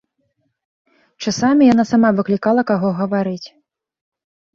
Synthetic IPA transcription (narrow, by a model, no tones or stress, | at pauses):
t͡ʂasamʲijan̪asamavɨklʲikalˠɐkaɣɔɣɐvaɾɨt͡sʲ